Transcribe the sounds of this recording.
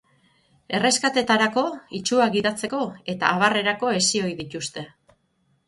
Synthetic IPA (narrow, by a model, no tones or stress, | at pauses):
e̞re̞skat̪e̞t̪aɾako̞it͡ʃuaɣiðat͡se̞ko̞e̞t̪a̰ːβare̞ɾako̞e̞sio̞jðit̪ust̪e̞